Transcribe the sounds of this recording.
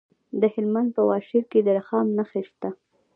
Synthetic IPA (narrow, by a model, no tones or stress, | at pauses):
d̪əhɪlmand̪̚pəwɑʃiɾked̪əɾaxɑmnaxeʃt̪a